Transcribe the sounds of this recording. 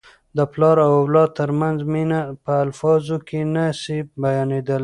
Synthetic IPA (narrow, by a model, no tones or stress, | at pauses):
d̪əplɑɾawawlɑd̪̚t̪əɾmanzminapəːlfɑzokenasebajɑned̪əl